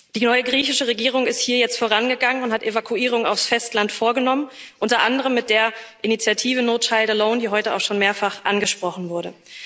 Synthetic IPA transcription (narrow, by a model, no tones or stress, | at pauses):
d̥iːnɔʏəɡʁiːçɪʃəʁeɡiːʁ̞ʊŋɪsthiːɐjɛt͡stfoːʁanɡəɡaŋənʊnthatʔevakʰuiːʁ̞ʊŋaʊfsfɛstlantfoːɐɡənɔmənʔʊntɐʔandəʁəmːɪt̚d̥eːɐʔinit͡sjatʰiːvənoːttʰaɪldəloʊndiːɦɔʏtəa̰ʊxʃoːnmeːɐfaχʔanɡəʃpʁ̥ɔχn̩vʊɐɾə